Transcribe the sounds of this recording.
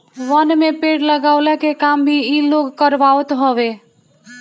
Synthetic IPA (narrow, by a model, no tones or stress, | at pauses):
ʋənmepeʈləɡaʊlɛkekambʱiiloɡkəɾʋawt̪ɦɔbe